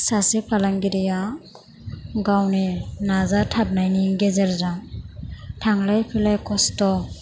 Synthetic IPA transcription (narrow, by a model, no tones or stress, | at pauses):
sasepʰalaŋɡiɾija | ɡawninazatʰap̚najniɡezɛɾza | tʰaŋlajpʰilajkɔstɔ